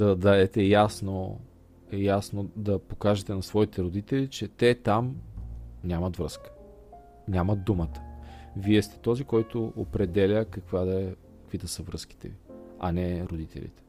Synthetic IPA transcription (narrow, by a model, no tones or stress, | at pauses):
d̪ɐd̪aɛt̪ɛjasno | ɛjasnod̪ɐpokaʒɛt̪ɛnɐsvɔit̪ɛɾod̪it̪ɛlit͡ʃɛt̪ɛt̪am | nʲamɐt̪vɾəskə̥ | nʲamɐd̪ːumət̪ə̥viɛst̪ɛ̥t̪ɔzikɔjt̪oopɾɛd̪ɛlʲəkɐkvad̪ɛkəkvid̪əsəvɾɤsk̟i̥t̪ɛ̰iɐ̰nɛɾod̪it̪ɛ̰lḭt̪ɛ̥